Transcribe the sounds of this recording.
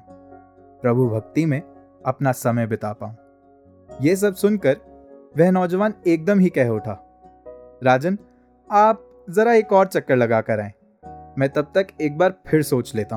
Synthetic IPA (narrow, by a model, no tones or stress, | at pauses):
pɾɐbʱubʱɐk̚t̪imẽ | ɐpnasɐməjbɪt̪aːpaːɦũː | jes̬ɐbsʊnkɐɾ | ʋɛɦnɔːd͡ʒəʋaːneːk̚d̪əmɦikɛɦʊʈʰaː | ɾaːd͡ʒən | aːp̚ | zɐɾaeːkɔːɾt͡ʃɐkːəɾlɐɡakɐɾaːẽː | mɛ̃ːt̪ɐb̚t̪ɐkeːk̚baːɾpʰɪɾsoːt͡ʃleːt̪aːɦ